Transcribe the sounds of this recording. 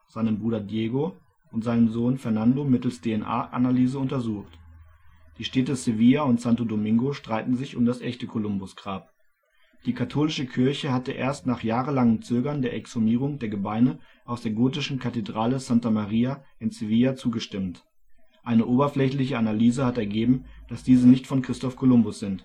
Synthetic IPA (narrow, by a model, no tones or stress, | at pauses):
z̥aɪnənbʁuːdɐdjeːɡo | ʔʊntz̥aɪnənzoːnfɛɐnandomɪtl̩sd̥eɛnʔa̰ːɐʔa̰nalyːzəʊntɐzuːxt | d̥iːʃtɛːtəseviːaʊntsantodomɪŋɡoʃtʁ̥aɪtn̩zɪçʊmdasʔɛçtəkʰolʊmbʊsɡ̥ʁaːp̚ | d̥iːkʰatʰoːlɪʃəkʰɪɐçəɦatəʔḛːɐstnaːχjaːʁəlaŋənt͡søːɡɐndeːɐʔɛksomiːʁ̞ʊŋdeːɐɡəbaɪnəʔaʊsd̥eːɐɡoːtɪʃn̩kʰatedʁaːləzantamaʁiːaʔɪnseviːat͡suːɡəʃtɪmt | ʔaɪnəʔoːbɐflɛçlɪçəanalyːzəhatɛɐɡeːbm̩d̥asd̥iːzənɪçtfɔnkʁ̥ɪstɔfkʰolʊmbʊsz̥ɪnt